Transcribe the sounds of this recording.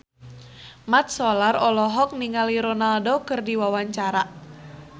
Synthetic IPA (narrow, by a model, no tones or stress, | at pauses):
mat̪̚sɔlarɔlɔɦɔk̚niŋaliɾɔnaldokɨrdiwawaɲt͡ʃaɾa